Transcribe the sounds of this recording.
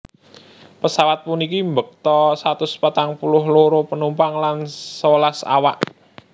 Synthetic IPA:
pəsawat̪̚punikimbək̚t̪ɔsat̪ʊspat̪aŋpulʊhloɾopənumpaŋlansəlasa̰wa̰ʔ

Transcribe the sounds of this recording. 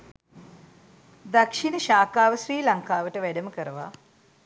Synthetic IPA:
d̪akʂinəʃaːkaːʋəsriːlaŋkaːʋəʈəʋæɖəməkəɾəʋa̰

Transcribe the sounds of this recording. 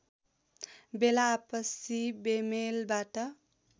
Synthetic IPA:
belaːpəsibemelbaʈə

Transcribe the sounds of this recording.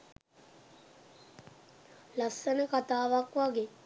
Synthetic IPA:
lasːənəkat̪aːʋakʋaɡe

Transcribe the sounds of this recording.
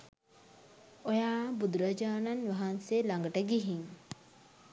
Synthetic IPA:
ojaːbud̪uɾɐd͡ʒaːnɐnʋɐɦanselaŋɡəʈəɡiɦiŋ

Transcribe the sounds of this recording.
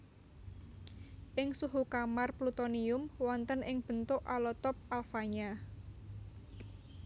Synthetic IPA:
ʔɪŋsuɦukamarplut̪oniʊmwɔnt̪ənɪŋb̥ə̤nt̪ʊʔa̰lɔt̪ɔp̚alfaɲa

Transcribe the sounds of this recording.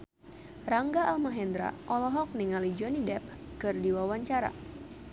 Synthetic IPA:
raŋɡaʔalmaɦɛnd̪ɾa̰ʔɔlɔɦɔk̚niŋalid͡ʒɔnidɛp̚kɨrdiwawaɲt͡ʃaɾa̰

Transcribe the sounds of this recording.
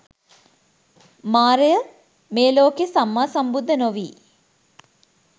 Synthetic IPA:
maːɾejə | meːloːkesamːaːsɐmbud̪ʱːənoʋiː

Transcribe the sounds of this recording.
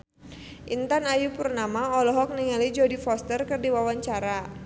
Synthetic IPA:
ʔint̪anajupurnamaɔlɔɦɔk̚niŋalid͡ʒɔdifɔst̪ərkɨrdiwawaɲt͡ʃaɾa

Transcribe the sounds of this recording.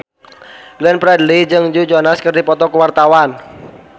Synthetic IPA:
lɛnpɾadəlid͡ʒɨŋd͡ʒud͡ʒɔnaskərdipɔt̪ɔkəwart̪awan

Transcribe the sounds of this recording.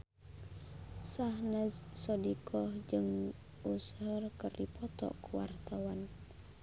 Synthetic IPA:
sahnazsɔdikʰɔhd͡ʒɨŋ | ushərkərdipɔt̪ɔ̰ʔkuwa̰rt̪awan

